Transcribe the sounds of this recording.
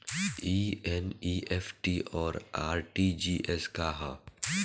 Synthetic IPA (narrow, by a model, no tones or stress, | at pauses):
iːɛniːʔɛfʰʈiɔːɾaːɾʈid͡ʒiːʔɛskaɦã